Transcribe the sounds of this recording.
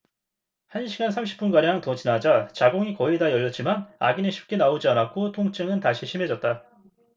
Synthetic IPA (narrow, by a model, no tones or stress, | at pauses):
hanɕʰiɡansʰamɕʰi̥p͈unɡaɾjaŋtʌt͡ɕinad͡ʑat͡ɕaɡoŋikʌidajʌɭːʌt̚t͡ɕ͈imana̰ɡinɯnɕʰi̥p̚k͈e̞naod͡ʑianakʰotʰoŋt͡ɕ͈ɯŋɯntaɕʰiɕʰime̞d͡ʑʌt̚t͈a